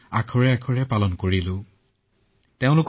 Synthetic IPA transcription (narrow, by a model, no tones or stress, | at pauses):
akʰɔɹɛakʰɔɹɛpalɔnkoɹilʊ̃ | teʊ̃lʊk